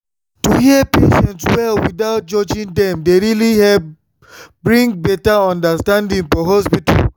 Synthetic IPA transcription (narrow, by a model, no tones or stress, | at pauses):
tuhiəpḛʃɛ̃ntswɛlwidaʊt̚d͡ʒɔd͡ʒĩndɛ̃mdeɾilihɛ | bɹĩŋbɛtaɔ̃ndastãndĩŋfɔɦɔspita̰l